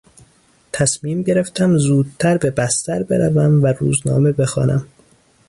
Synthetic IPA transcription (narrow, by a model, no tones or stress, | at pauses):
t̪ʰæsmiːmɟe̞ɾe̞ft̪ʰæmzuːd̪̚t̪ʰæɾbe̞bæst̪æɾbe̞ɾævæmvæɾṵːznɒ̰ːme̞be̞xɒ̰ːnʔæ̰m